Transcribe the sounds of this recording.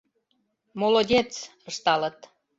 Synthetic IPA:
molodʲet͡sə̆ʃt̪ɑlə̆t̪

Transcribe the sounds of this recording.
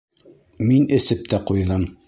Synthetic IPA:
minɘ̆sɘp̚t̪æqujðɤm

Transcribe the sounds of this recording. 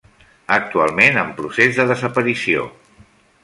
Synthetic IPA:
ək̚t̪ualˠmenəmpɾusezðəðəzəpəɾisio̰

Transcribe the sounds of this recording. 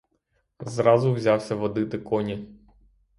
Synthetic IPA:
zɾɑzʊwzʲɑwsʲɐʋɔd̪ɪt̪ɪkɔnʲi

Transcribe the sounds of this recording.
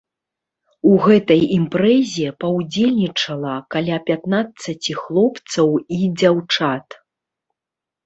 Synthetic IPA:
uɣɛt̪ɐjimpɾɛzʲɛpɐwd͡zʲelʲnʲit͡ʂɐlˠɐkalʲapʲat̪nat̪sːɐt͡sʲixlˠɔpt̪sɐwid͡zʲawt͡ʂat̪

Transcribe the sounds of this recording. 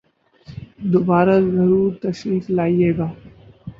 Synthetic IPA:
d̪oːbaːɾazɐɾuːɾt̪ɐʃɾiːflaːieːɡaː

